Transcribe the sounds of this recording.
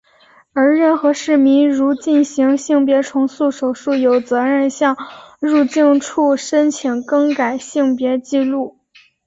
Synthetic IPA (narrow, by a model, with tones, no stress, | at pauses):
ə˞˧˥ɻə˥˩nxɤ˧˥ʂɻ̩˥˩mi˧˥ŋɻu˧˥t͡ɕi˥˩nɕi˧˥ŋɕi˥˩ŋpjɛ˧˥ʈ͡ʂʰʊ˧˥ŋsu˥˩ʂo˨˩ʊʂu˥˩jo˨˩ʊt͡sɤ˧˥ɻə˥˧nɕjɑ˥˧ŋɻu˥˧t͡ɕi˥˧ŋʈ͡ʂʰu˥˩ʂə˥nt͡ɕʰi˧˩ŋkɤ˥ŋka˨˩ɪɕi˥˩ŋpjɛ˧˥t͡ɕi˥˧lu˥˩